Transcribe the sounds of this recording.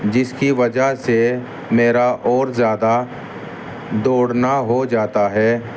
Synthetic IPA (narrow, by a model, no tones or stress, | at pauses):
d͡ʒɪskiʋɐd͡ʒəɦse | meːɾaʔɔːɾzjaːd̪a | d̪oːɽnaɦod͡ʒaːt̪aɦɛː